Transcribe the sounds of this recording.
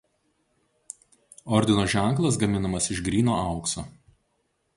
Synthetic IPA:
ɔɾʲd̪ʲɪnoːʒʲæˑŋˑklˠɐs̬ɡɐmʲɪnɐmɐsɪʃɡɾʲiːnoːɑʊksoː

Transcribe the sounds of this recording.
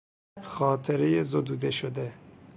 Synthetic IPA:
xɒːt̪ʰeɾejezod̪uːd̪eʃod̪e

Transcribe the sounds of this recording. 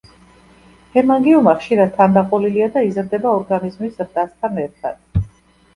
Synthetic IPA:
hʰɛmaŋɡiumaχʃiɾad̪̚t̪ʰːand̪aqʼɔliliad̪aizɾd̪ɛbaɔɾɡanizmisɾd̪ast̪ʰanɛɾt̪ʰa̰d̪̥̚

